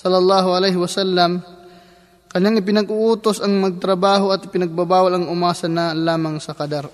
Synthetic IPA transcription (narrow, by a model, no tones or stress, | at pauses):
sɐlːɐlˠːɑːɦoʔɐlɛjhɪwɐsalːɐm | kɐɲːaŋɪp̬ɪnɐɡʊʔuːt̪osɐŋmɐɡ̚t̪ɾɐbaːɦoɐt̪ɪpɪnɐɡ̚babaːwalɐŋʊmaːsɐnɐlaːmɐŋsɐkɐd̪aɾ